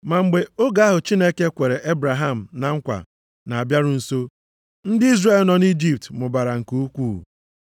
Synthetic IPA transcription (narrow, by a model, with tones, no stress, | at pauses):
ma˨ŋ͡m̩˨ɡ͡be˨o˦ɡa˦a˦ɦʊ˨t͡ʃi˦ne˦ke˦kʷe˨ɾe˨ʔe˦bɾa˨ɦa˦m̩˨na˨ŋ̩˦kʷa̰˨ | na˨a˨bja˦ɾʊ˦n̩˨so˦ | n̩˦dɪ˦i˦zre˦lnɔ˨ni˦d͡ʒi˦p̚tmʊ˨ba˨ɾa˨ŋ̩˨ku˦u˦kʷṵː˦˨